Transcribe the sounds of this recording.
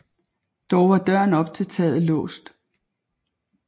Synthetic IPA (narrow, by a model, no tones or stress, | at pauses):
d̥ɒʊʋɑ̈d̥ɶɐ̰nɒ̽b̥̚t͡sʰe̝lt͡sʰɛ̰ːð̩ˠəlɔ̰̽ːsd̥